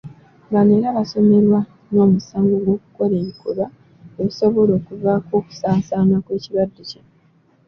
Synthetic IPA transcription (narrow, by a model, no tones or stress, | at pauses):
ŋɡaneːɾaβaso̞me̞ɾwa | no̞ːmusaːŋɡoɡwo̞ːku̥ko̞le̞ːmikʰoɾa | euso̞βo̞lo̞ːkuvaːko̞ːku̥saːsaːnakweːciβadːece